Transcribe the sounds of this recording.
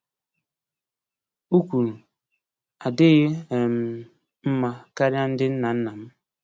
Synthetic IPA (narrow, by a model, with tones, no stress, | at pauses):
u˦kʷu˨ɾu˨ | a˨dɪ˦ɣe˦e˨m̩˨ | m̩˦ma˨ka˦ɾja˦n̩˦dɪ˦n̩˦na˨n̩˦na˨m̩˦